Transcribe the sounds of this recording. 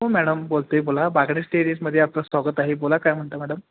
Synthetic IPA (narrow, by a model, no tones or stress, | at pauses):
ɦumæɽəmbolt̪ebolabaɡɳisʈeɾisməd̪ʱːjeaplasʋaɡət̪aɦebolakajm̤əɳt̪əmɛɽəm